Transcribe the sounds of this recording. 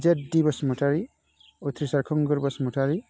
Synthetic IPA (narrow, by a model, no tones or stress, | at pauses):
d͡ʒet̚dibɔsmutʰaɾi | ut̪ʰɾisaɾkʰɔŋɡɯɾbɔsmutʰaɾi